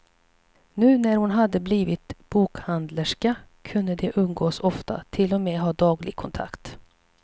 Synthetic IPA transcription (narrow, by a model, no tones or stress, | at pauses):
nʉ̟ːnæɾhʊnɦad̪ːəbliːvɪt̪b̥uːkhand̪ləʂka | kʰɵnːəd̪ɛʔɵnɡoːsɔft̪a̰t̪ʰɪlːɔmeːɦɑːd̪ɑːɡlɪɡ̚kʰɔnt̪ʰa̰kt̪